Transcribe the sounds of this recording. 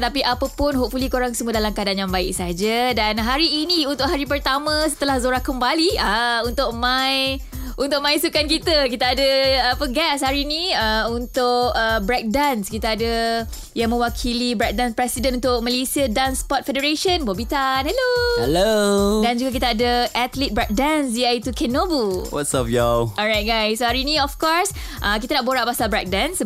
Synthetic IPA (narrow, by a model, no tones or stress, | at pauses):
t̪apiʔapəpʊnɦoʔfulikoɾaŋsəmuədalamkadaanjaŋbaɪk̚sad͡ʒadanɦaɾiːnĩunt̪ʊʔ̚ɦaɾipərt̪amə̃sə̥t̪əlahzoɾahkəmbaliəunt̪ʊʔ̚mãj | unt̪ʊʔmãjsukankit̪əkit̪aadəapəɡɛs̬haɾinĩəunt̪ʊkəbɾɛk̚danskit̪aadə | jaŋmə̃wakʰilibɾɛk̚dãnspɾɛsidənunt̪ʊk̚malesiədãnspɔt̪̚fɛdəɾeʃənbobit̪anhɛlohɛlodand͡ʒuɡak̬it̪aadəʔat̪lit̪̚bɹɛk̚dansdiajt̪ukʰɛnobuwɔ̰tsɔfjaɔɹajt̚ɡajsːohaɾinĩɔfkɔɹs | ʔəkit̪ənaʔboɾaʔ̚basalbɹɛk̚dãns